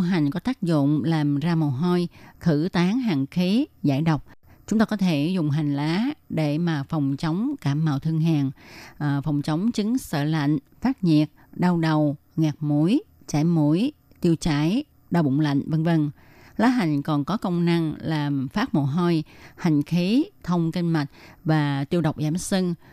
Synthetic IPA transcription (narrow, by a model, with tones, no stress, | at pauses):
ɦa˨˩jŋ̟kɔ˨˦t̪aː˦˥k̚zʊ̰˧˨ŋ͡mlaː˨˩mzaː˧mo˨˩ɦo˧jxɨ˧˩t̪aː˨˦ŋɦaː˨˩ŋxi˨˦za̰ː˧˩jɗə˨˩wk͡p̚t͡ɕʊ˨˦ŋ͡mt̪aː˧kɔ˨˦t̪ʰe˧˩zʊ˨˩ŋ͡mɦa˨˩jŋ̟laː˨˦ɗe˧˩maː˨˩fɔ˨˩wŋ͡mt͡ɕə˨˦wŋ͡mkaː˧˩mːaː˨˩wt̪ʰɨ˧əŋɦaː˨˩ŋʔfɔ˨˩wŋ͡mt͡ɕə˨˦wŋ͡mt͡ɕɨ˨˦ŋsə̰ː˧˨la̰˧˨jŋ̟ | faː˦˥t̚ɲḭ˨˩ət̚ɗaː˧wɗə˨˩w | ŋaː˨˩k̚mu˧˥j | t͡ɕaː˧˩jmu˧˩j | t̪i˧əwt͡ɕaː˧˥˨j | ɗaː˧˩wɓʊ̰˧˨ŋ͡mla̰˧˨jŋ̟və˧nvə˧˩n | laː˨˦ɦa˨˩ŋ̟kɔ˨˩nkɔ˨˦kə˧wŋ͡mna˧ŋlaː˨˩mfaː˦˥t̚mo̰˧˨˩ɦɔ˧jha˨˩jŋ̟xi˨˦t̪ʰə˧wŋ͡mki˧ŋma˨˩t̚vaː˨˩t̪i˧əwɗə˨˩wk͡p̚zaː˧˦msi˧ŋ